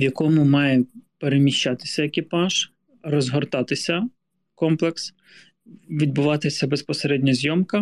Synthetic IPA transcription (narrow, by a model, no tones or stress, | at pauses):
ʋjɐkɔmʊmɑjɛpeɾemʲiʃt͡ʃːɑt̪ɪ̥sʲɐekʲipɑʒ̥ | rɔzɦɔrt̪ɑt̪ɪsʲɐ | kɔmplˠeks | ʋʲid̪̚bʊʋɑt̪ɪsʲɐbespɔseɾɛdʲnʲɐzʲjɔmkɐ